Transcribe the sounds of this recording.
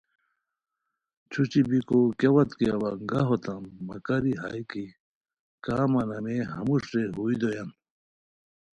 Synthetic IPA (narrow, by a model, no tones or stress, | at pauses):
t͡ɕʰut͡ɕibikokjewɐt̪kiɐwɐŋɡɐɦot̪ɐmːɐ̰kɐɾiɦa̰iki | kaːmɐnɐmeɦɐmuʂɾeɦuid̪ojɐn